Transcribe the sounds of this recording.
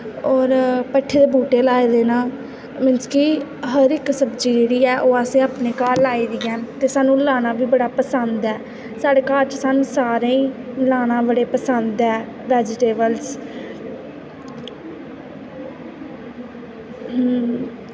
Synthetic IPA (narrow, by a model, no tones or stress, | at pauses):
ɔːɾpəʈʰːeːd̪eːbuːʈeːlaːeːd̪eːnãː | mɪnskiːɦəɾɪksəbd͡ʒiːd͡ʒeːɽiːɛːʔoːaːsẽːaːpneːkaːlːaːiːd̪iːɛːt̪eːsaːnũːlaːnãːʋiːbəɽaːpəsənd̪ɛː | saːɖeːkaːlt͡ʃsaːnũːsaːɾeːĩːlaːnãːbəɽeːpəsənd̪ɛː | ʋɛːd͡ʒɪʈeːbəls